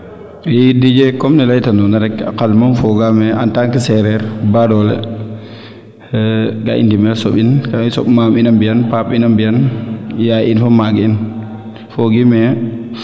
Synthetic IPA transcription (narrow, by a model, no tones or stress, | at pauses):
ɛidid͡ʒɛkɔmnɛlajtanɔnaɾɛkːa̰kalmanfɔɡamɛantaŋkɛsɛɾɛɾbadɔlɛ̰ | ɡa̰ʔḭndimɛɾsɔɓinkaisɔ̰ɓmaminambijanpapinambianjainfɔmaɡiin | foɡimɛ